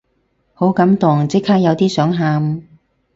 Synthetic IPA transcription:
ho˨˥wkɐ˨˥mt̪ʊ˨˩ŋt͡sɪ˥kʰːaː˥k̚jɐ˨˧wt̪iː˥sœː˨˥ŋɦaː˧m

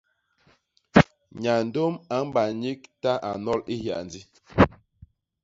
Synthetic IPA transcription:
ɲa˨n̩˨do˦ma˨˦m̩˦ba˨ɲi˦k̚ta˦ʔa˨nɔ˦li˦hja̰˨n˨di˦

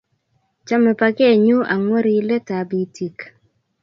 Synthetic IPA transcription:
t͡ʃa˦mɛ˨pa˨ke˦˨ɲu˦ʔa˨ŋwo˦ɾi˦lɛ˦ta˨bi˨tʰi˨k

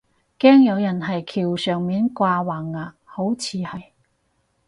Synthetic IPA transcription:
kɛː˥ŋjɐ˨˧wjɐ˨˩nɦɐ˨jkʰiː˨˩wsœː˨˩ŋmiː˨˥nkʷaː˧waː˨˩ŋːaː˨˩ | ho˨˥wt͡sʰiː˨˧hɐ˨j

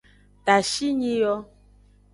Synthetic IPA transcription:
ta˨ʃi˦ɲĩ˦jɔ˦

